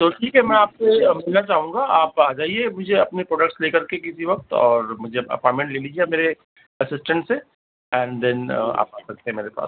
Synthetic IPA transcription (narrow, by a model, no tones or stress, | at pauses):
t̪oʈʰiːkɦɛmɛ̃aːp̚semɪlnat͡ʃaːɦũŋɡaaːpaːd͡ʒaːiemʊd͡ʒʱeɐpnepɾoːɖək̚ʈsleːkɐɾkek̬ɪsiʋɐk̚t̪ɔ̰ːɾmʊd͡ʒʱeɐ̰pɔːʈmẽɳʈleːliːd͡ʒiemeːɾe | ɐsɪsʈə̃ɳʈse | ɛ̃ːnd̪ɛ̃na̰ːp̚asɐk̚t̪eɦɛ̃meːɾepa̰ːs